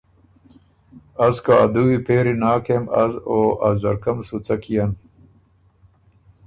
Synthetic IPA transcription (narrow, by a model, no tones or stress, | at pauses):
ɐzkaɐd̪uwipeːɾinaːkʰemɐzoːɐzzɐɾkɐmsut͡sɐkijɐn